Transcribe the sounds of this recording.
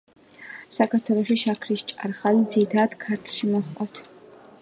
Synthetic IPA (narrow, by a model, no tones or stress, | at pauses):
sakʰaɾt̪ʰwɛlˠɔʃiʃakʰɾiʃt͡ʃʼa̰ɾχalid̪ziɾit̪ʰaːd̪kʰaɾt̪ʰlˠʃimɔχqʼɔt̪ʰ